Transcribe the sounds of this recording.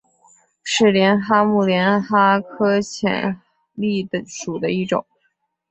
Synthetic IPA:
ʂɻ̩˥˩ljɛ˧˥nxa˥mu˥˩ljɛ˧˥nxa˥kʰɤ˥t͡ɕʰjɛ̰˨˩n | li˥˩d̪ə˩ʂu˨˩d̪ə˦i˥˩ʈ͡ʂʊ̰˨˩˦ŋ

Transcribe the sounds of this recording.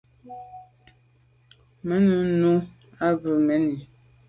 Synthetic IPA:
mə˨˦nu˨˦nu˦ | a˦bə˨mɛ˨˦ni˨

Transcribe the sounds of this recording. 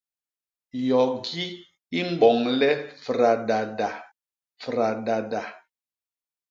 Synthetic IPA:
jɔ˨ɡi˦ | i˦m̩˦ɓɔ˨ŋlɛ˦fɾa˨da˨da˨ | fɾa˨da˨da˨

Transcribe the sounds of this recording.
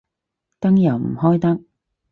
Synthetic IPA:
t̪ɐ˥ŋjɐ˨˩wm̩˨˩hɔː˥jt̪ɐ˥k̚

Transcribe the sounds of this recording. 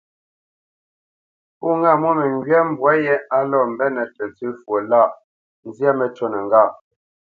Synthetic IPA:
pu˦ŋa˦˨mwo˦mɛ˨ŋɡɥɛ˦m̩˨bwa˨˦jɛ˦a˦lɔ˦˨m̩˨bɛ˦nɛ˨tɛ˨t͡sʉ˦fwo˨la˦˨ʔ | n̩˦zja˦mɛ˨t͡ʃɔ˦nɛ˨ŋ˨ɡa˦˨

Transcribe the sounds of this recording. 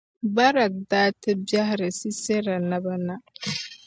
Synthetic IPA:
ba˦ɾa˨k̚daː˦tʰe˦bja˦hɾe˨si˦se˦ɾa˨na˦ba˦na˦

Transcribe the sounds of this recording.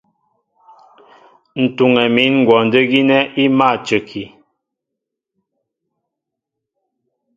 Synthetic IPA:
n̩˨tu˨ŋɛ˨mi˨˦nŋ̩˨ɡwɔ˨n˨də˦ɣi˦nɛ˦i˦ma˦˨t͡ʃə˨kʰi˨

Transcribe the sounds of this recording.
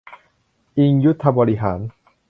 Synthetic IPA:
ʔi˧ŋju˦˥t̪ʰːa˧bɔː˧li˦ɦaː˩˦n

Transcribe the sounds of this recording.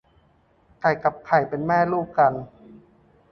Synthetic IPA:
kʰa˨˩jka˨˩p̚kʰa˨˩jpe˧nmɛː˥˩luː˥˩p̚ka˧n

